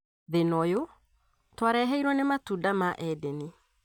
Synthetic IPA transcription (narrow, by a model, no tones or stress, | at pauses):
ðenɔjo | twaɾɛɦɛiɾwɔnematudamaʔɛdɛni